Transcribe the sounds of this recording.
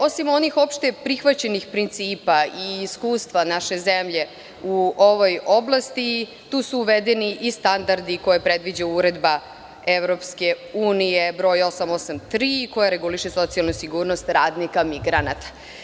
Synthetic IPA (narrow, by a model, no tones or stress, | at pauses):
o̞simo̞nixo̞pʃt̪e̞pɾixʋat͡ɕenixpɾint̪siːpaiːskuːst̪ʋanaʃe̞zemʎe̞ | uoʋojo̞blˠast̪i | t̪uːsuːʋed̪eniʔist̪and̪aɾd̪iko̞jepɾed̪ʋid͡ʑauuɾed̪ba | eʋɾo̞pske̞uːnijebɾo̞ːjo̞samo̞samt̪ɾiko̞jaɾeɡuliʃeso̞t̪sialnusiɡuːɾnost̪ɾaːd̪nikamiɡɾanat̪ḁ